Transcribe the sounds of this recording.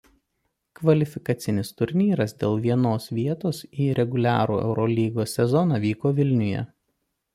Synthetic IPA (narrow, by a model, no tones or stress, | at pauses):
kʋɐlʲɪfʲɪkɐt̪sʲɪnʲɪst̪ʊɾʲnʲiːɾɐsd̪ʲeːlˠʋʲiɛnoːsʋʲiɛt̪oːsiːɾʲɛɡʊlʲæːɾṵːʔɛ̰ʊɾʔɔlʲiːɡoːsʲɛzɔnɑːʋʲiːkoːʋʲɪlʲnʲʊjɛ̰